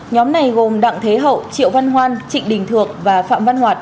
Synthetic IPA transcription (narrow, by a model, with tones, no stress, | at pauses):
ɲɔ˨˦mna˨˩jɣo˨˩mɗa̰ː˧˨ŋt̪ʰe˨˦ɦə̰˧˨wt͡ɕḭ˧˨əwva˧nɦwaː˧nt͡ɕḭ̈˧˨ŋ̟ɗï˨˩ŋ̟t̪ʰɨ˨˩ək̚vaː˨˩fa̰ː˧˨mva˧nɦwaː˨˩t̚